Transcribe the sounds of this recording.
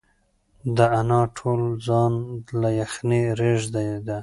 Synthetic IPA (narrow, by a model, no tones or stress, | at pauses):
d̪əanɑʈʰold͡zɑnlajaxneɾeʒd̪ajd̪a